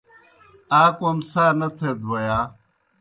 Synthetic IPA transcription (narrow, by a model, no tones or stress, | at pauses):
aːkoɐmsaːnɐt̪ʰed̪wɐjaː